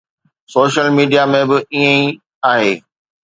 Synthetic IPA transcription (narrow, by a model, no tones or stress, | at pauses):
soːʃəlmiːɖijamẽbɪiːə̃ĩ | aːɦeː